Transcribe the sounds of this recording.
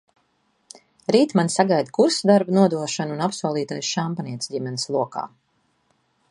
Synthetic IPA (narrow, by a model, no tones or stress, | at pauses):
ɾiːt̪mansaɡajd̪kuɾsd̪aɾbunuɔd̪uɔʃanunapsuɔlˠiːt̪ajsʃampaniɛt̪sɟimɛnislˠuɔka̰ː